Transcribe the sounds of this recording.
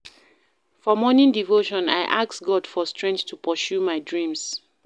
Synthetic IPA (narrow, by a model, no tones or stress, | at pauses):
fɔmɔnĩndivoʃɔ̃na̰ɪʔaksɡɔdfɔstɹɛ̃nθtʰupʰɔsʃjumaɪdɹĩms